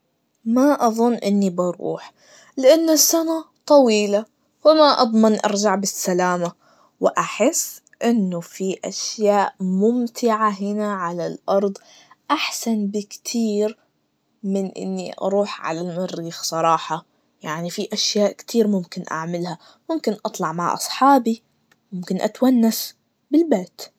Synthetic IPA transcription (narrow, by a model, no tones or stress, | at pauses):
maʔɑðˤʊnːʔɪ̰nːibɑɾˤṵːħ | lɪʔanːʊsːanat̪ˤɑwiːla | wɪmaʔɑ̰d̪ˤmɑnʔɑ̰ɾˤd͡ʒaʕbɪsːalaːma | wɪʔaħɪsː | ʔɪnːʊfiʔa̰ʃjaːʔmʊmt̪ʰɪʕaɦɪnaʕalalʔɑɾˤd̪ˤ | ʔaħsanbɪkt̪ʰiːɾ | mɪnʔɪ̰nːiʔɑ̰ɾˤuːħʕa̰lalmaɾːiːxsˤɑɾˤɑːħɑ | jaʕnifiʔaʃjaːʔkt̪ʰiːɾmʊmkɪnʔa̰ʕmɪlha | mʊmkɪnʔɑt̪ˤlɑʕmaʕʔɑ̰sˤħɑːbi | mʊmkɪnʔa̰t̪wanːas | bɪlbeːt̪